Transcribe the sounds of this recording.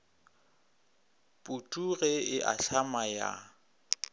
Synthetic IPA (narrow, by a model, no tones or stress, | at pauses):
pʼutʼuɣɛɪʔa̰ɬʰamaja̰